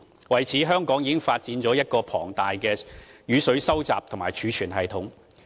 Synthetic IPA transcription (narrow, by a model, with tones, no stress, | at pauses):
wɐ˨jt͡sʰiː˨˥ɦœː˥ŋkɔː˨˥ŋjiː˧kɪ˥ŋfaː˧t̚t͡siː˨˧nt͡sɔː˨˥jɐ˥t̚kɔː˧pʰɔː˨˩ŋt̪aː˨jkɛː˧jyː˨˧sɵ˨˥ɥsɐ˥wt͡sa̰ː˨p̚t̪ʰʊ˨˩ŋmaː˨˩jt͡ʃʰyː˨˧t͡ʃʰyː˨˩nɦɐ˨jt̪ʰʊ˨˧˥ŋ